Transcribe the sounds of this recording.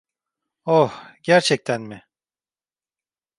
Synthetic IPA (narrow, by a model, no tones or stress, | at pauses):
ohɟ̥æɾt͡ʃʰɛc̚t̪ʰænmɪ